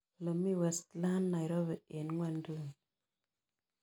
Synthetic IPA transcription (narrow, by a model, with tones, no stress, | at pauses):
lə˨mi˦we˨stla˦nːa˨jɾo˦βe˨e˨nŋwa˦ndu˦˨n